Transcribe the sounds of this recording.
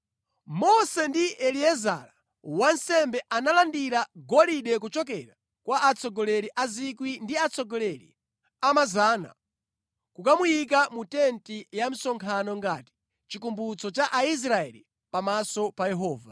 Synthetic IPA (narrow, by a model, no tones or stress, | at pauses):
mɔsɛndiʔɛliɛza̰ɾa | wan̩sɛmbɛʔanalandiɾaɡɔliɗɛk̬ut͡ʃɔkɛɾa | kwaʔat͡sɔɡɔlɛɾiʔazikwindiat͡sɔɡɔlɛɾḭ | amazaːna̰ | kukamujikamutɛntijam̩sɔŋkʰanɔŋɡaːti̥ | t͡ʃikumbut͡sɔt͡ʃaʔais̬ɾaɛ̰li | pamasɔpajɛɦɔːva̰